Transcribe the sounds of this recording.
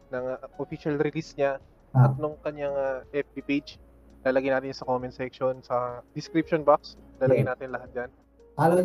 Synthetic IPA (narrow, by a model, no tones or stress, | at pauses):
nɐŋaʔofiʃɐlɾɪlisɲa | ɐt̪̚nʊŋkɐɲːaŋaʔɛf̚d̪iped͡ʒ | laːlɐɡɐjnaːt̪ɪnɲsɐkomɪnsɛkʃonsɐd̪ɪskɾip̚ʃonbakslaːlɐɡɐjnaːt̪ɪnlɐɦat̪̚d͡ʒan | ʔalɐ